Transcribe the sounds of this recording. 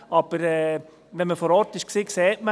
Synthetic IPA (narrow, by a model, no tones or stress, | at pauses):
ɑb̥əɾɛː | ʋɛnməfɔːɾɔːɾtɪʃksiːkseːtmə